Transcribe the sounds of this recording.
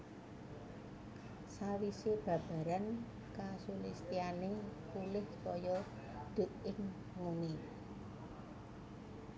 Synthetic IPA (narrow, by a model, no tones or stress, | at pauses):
sawiseb̥ä̤b̥a̤ɾan | kasulist̪ianekulɪhkɔjɔ | d̪̥o̤t̪̚ɪŋ | muni